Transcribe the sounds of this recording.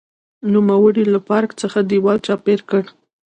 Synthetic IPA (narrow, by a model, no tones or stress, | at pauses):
numawəɽilapɑɾkt͡səxad̪iwɑlt͡ʃɑpeɾkəɽ